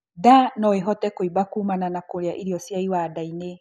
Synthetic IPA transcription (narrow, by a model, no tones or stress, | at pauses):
danɔeɦɔtɛkoibakuːmananakoɾeaʔiɾiɔsjaiwadaine